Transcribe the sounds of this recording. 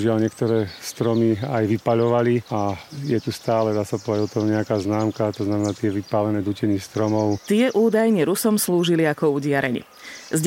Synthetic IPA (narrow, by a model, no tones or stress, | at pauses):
uʒɪalɲɪɛkt̪ɔɾɛːst̪ɾɔmiajʋipaʎɔʋaliajɛt̪ust̪aːlɛd̪aːsapɔʋɛdaɟɔt̪ɔɦɲɛakaːznaːmkat̪ɔznamɛnaːt̪ɪɛʋipalɛnɛːd̪ucɛɲist̪ɾɔmɔʊt̪ɪɛʔuːd̪ajɲɛɾusɔmsluːʒiliakɔuɟɪaɾɛɲḭ | zɟ